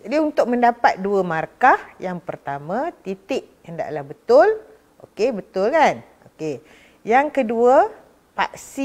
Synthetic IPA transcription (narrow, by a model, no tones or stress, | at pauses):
d͡ʒadiunt̪ʊk̚mə̃ndapat̪̚duəmarkahjaŋpərt̪amãt̪it̪ɪʔ̚ | ənda̰ʔlahbət̪ʊl | ʔo̰kebət̪ʊlkan | oke | jaŋkəduə | pa̰ʔsi